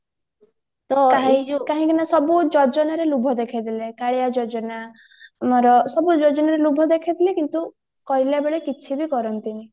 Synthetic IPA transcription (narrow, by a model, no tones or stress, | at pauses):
t̪ɔkaɦikaɦĩkinasɔbud͡ʒɔd͡ʒɔnaɾelubʱɔd̪ekʰid̪ilekaɽejad͡ʒɔd͡ʒɔna | moɾɔsɔbud͡ʒɔd͡ʒɔnaɾelubʱɔd̪ekʰit̪ʰilekint̪u | kɔjlabeɭekit͡ʃʰibikɔɾɔnt̪ini